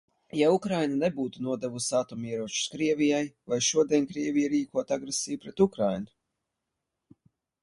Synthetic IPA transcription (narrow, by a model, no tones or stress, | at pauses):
jaukɾajnanebuːt̪unuɔd̪ɛvusaːt̪ɔmiɛɾuɔt͡ʃu̥skɾiɛvʲijajvajʃuɔd̪ʲiɛnkɾiɛvʲijaɾiːkuɔt̪aɡɾesiːjupɾɛt̪ukɾajnu